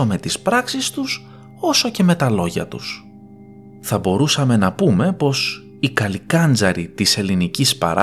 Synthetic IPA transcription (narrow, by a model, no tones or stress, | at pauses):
ome̞t̪ispɾɐksist̪us | o̞so̞ce̞me̞t̪ɐlo̞ʝɐ̰t̪ṵs | θɐbo̞ɾusɐme̞nɐpume̞po̞s | ikɐlikɐnd͡zɐɾit̪ise̞linicispɐ̰ɾ